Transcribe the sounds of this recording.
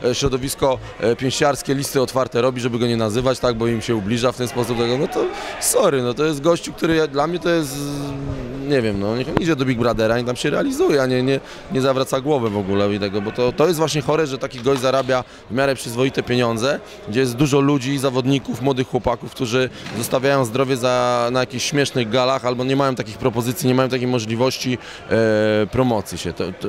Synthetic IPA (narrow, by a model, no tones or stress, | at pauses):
ɕɾɔd̪ɔvʲiskɔ | pʲjɛ̃w̃ɕt͡ɕaɾskʲɛlʲist̪ɘɔt̪faɾt̪ɛɾɔbʲiʐɛbɘɡɔɲɛnazɘvat͡ɕt̪aɡ̚bɔimɕɛublʲiʐaft̪ɛnspɔsup̚t̪ɛɡɔnɔt̪ɔsɔɾɘnɔt̪ɔjɛst̪̚ɡɔɕt͡ɕuk̚t̪uɾɘjad̪lamɲɛt̪ɔjɛst̪ | ɲɛvʲjɛmnɔɲɛid͡ʑɛd̪ɔbʲiɡ̚bɾad̪ɛɾaɲɛt̪amɕɛɾɛalʲizujɛaɲɛɲɛ | ɲɛzavɾat̪saɡwɔvɛvɔɡulɛit̪ɛɡɔbɔt̪ɔt̪ɔjɛst̪vwaɕɲɛxɔɾɛʐɛt̪akʲiɡɔʑzaɾabʲja | vmʲjaɾɛpʂɘzvɔit̪ɛpʲjeɲɔnd̪zɛ | ɡd͡ʑɛjɛst̪d̪uʐɔlud͡ʑizavɔd̪ɲikufmwɔd̪ɘxːwɔpakufk̚t̪uʐɘzɔst̪avʲjajɔ̃w̃zd̪ɾɔvʲjɛzanajakʲiɕɕmʲjɛʂnɘɣɡalaxalbɔɲɛmajɔ̃t̪akʲixpɾɔpɔzɘt̪sʲiɲɛmajɔ̃t̪akʲejmɔʐlʲivɔɕt͡ɕi | pɾɔmɔt̪sʲjiɕɛt̪ɔ